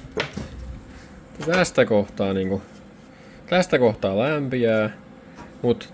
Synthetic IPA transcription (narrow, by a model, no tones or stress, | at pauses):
t̪æst̪ækoht̪ɑːniːŋku | t̪æst̪ækoht̪ɑːlæmpiæː | mut̪